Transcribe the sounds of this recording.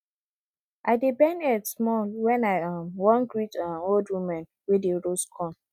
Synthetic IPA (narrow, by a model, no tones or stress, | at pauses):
ʔaɪdebɛ̃nɛtsmɔlwɛ̃naɪãmwɔ̃nɡɹitãoldwimãn | wedeɹoskʰɔ̃n